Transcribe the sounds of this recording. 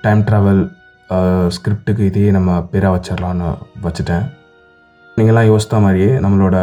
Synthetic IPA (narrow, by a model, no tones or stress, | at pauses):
ʈɐɪmʈɾaːʋɐl | skɾɪp̚ʈɯk̬ːɯɪðɐjeːnɐmːɐpɛɾaːʋɐt͡ʃːɐɾlãːnːɯ̰ʋɐt͡ʃːɯʈːẽː | niːŋɡɐɛlːãːjoːsɪ̥t̪ːɐmaːd̪ɾieːnɐmːɐɭoːɽɐ